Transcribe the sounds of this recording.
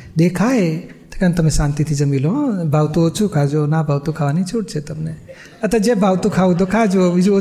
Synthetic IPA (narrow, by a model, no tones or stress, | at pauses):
d̪ekʰaet̪əkant̪əmnesãnt̪it̪ʰid͡ʒəmilõbʱawt̪uot͡ʃʰukʰad͡ʒonabʱawt̪ukʰaʋanit͡ʃʰuʈ̚t͡ʃʰet̪əmne | ət̪əd͡ʒebʱawt̪ukʰaũd̪okʰad͡ʒoid͡ʒo